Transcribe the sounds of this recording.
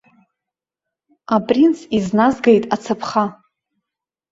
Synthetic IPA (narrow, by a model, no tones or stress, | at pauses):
apʼrint͡sʰiznazɡajtʼat͡sʰapʰχa